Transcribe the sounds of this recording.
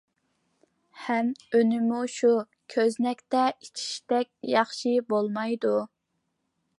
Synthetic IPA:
hɛmønɪmuʃu | kʲʰøznɛkʲt̪ɛit͡ʃʰi̥ʃt̪ɛkʲjɑχʃibolˠmɑjd̪u

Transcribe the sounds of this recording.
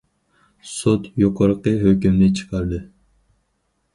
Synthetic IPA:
sot̪joqʰəɾəqəɦøkʲymnɪt͡ʃʰɨ̥qʰɑɾd̪ɨ

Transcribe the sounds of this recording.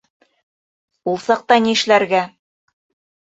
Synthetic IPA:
ulˠsɑq̚t̪ɑniɘ̆ʃlæɾɡæ

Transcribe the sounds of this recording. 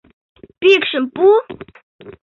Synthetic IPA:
pikʃəmpu

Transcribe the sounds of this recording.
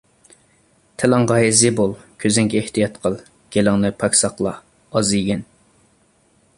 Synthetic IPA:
t̪ʰɛlɑŋʁɑezibolˠkʲʰøzɪŋkʲʰɛeht̪ʰijɑt̪qʰəlˠ | ɡ̥ʲelɑŋnɨpʰɑkʲsɑqlˠɑ̰ | ɑziɡʲɛn

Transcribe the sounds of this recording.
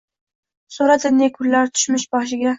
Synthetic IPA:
soɾad̪ʰɪnːekʰʊlːaɾt̪ʰʊ̥ʃmɪʃbɒʃ̬ɪɡʲa

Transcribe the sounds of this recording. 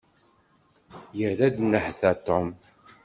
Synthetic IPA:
jəɾæd̪nːəħθæt̪ːom

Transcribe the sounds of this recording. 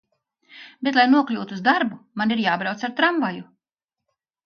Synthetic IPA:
bet̪lˠajnuɔklʲuːt̪uːzd̪aɾbumaniɾjaːbɾawt̪saɾt̪ɾamvaju

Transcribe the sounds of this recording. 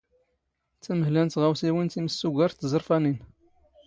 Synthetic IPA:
t͡sːæməhlænt̪ʁæwsiwint̪iməsːuɡʷæɾt̪ːzəɾˤfænin

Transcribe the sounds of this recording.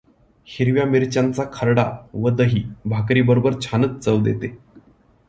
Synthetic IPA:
hiɾʋjamiɾt͡ɕant͡sakʰəɾɽaʋəd̪əɦiːbʱakɾiːbəɾobəɾt͡ɕʰanət͡st͡səʋd̪ḛt̪e

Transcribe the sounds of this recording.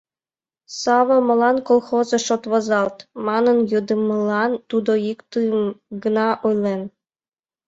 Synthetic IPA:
sɑβɤ̆mɤ̆lˠɑnkolˠxozĕʃot̪βɑzɑlt̪mɑnɤ̆njɤd̪ə̆mɤ̆lˠɑnt̪ud̪oikt̪ɯmɡə̆nɑʔujlen

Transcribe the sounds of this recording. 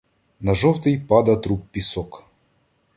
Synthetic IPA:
nɐʐɔwt̪ɨjpad̪ɐt̪ɾupʲːisɔk

